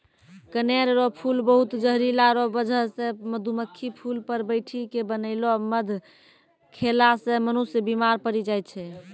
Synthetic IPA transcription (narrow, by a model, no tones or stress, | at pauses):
kəneɾɾopʰulbəɦut̪d͡ʒəɦɾilaɾobəd͡ʒʱəsẽməd̪ʱuməkʰːipʰulpəɾbəɪʈʰikebənəɪloməd̪ʱ | kʰelasemənusjəbimaɾpəɾid͡ʒajt̪t͡ʃʰɛ